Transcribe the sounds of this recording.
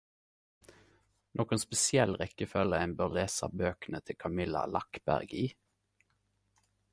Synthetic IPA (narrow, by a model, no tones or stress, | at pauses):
nʔɔːkənspɛsɪɛlʁɛkəfœləæɪnbøːʁleːsɑ̰bøːkənət̪ʰɪkʰɑmɪlɑ̰lɑkbæ̰ʁɡiː